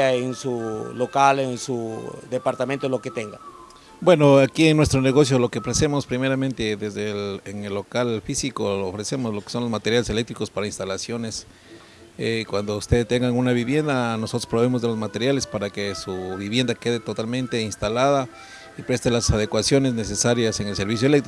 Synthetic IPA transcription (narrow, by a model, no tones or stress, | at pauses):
aensulokalensuðepaɾt̪ament̪oloket̪eŋɡa | bwe̞no̞akieŋnwe̞st̪ɾoneɣo̞sjolo̞keofɾese̞mospɾimeɾament̪eðezðeleŋelːo̞kalfisikoloofɾe̞se̞mozlo̞ke̥so̞nlozmat̪eɾjalese̞le̞k̚t̪ɾiko̞spaɾainst̪alasjo̞nes | ekwand̪oust̪eðt̪e̞ŋɡaunaβiβje̞nd̪anoso̞t̪ɾospɾoβe̞mozðelo̞zmat̪e̞ɾjale̞spaɾakesuβiβje̞nd̪ake̞ðet̪o̞t̪almẽ̞nt̪e̞inst̪alaða | ipɾe̞st̪elasaðe̞kwasjo̞ne̞zne̞se̞saɾjase̞ŋelse̞ɾβisjoelekt̪ɾi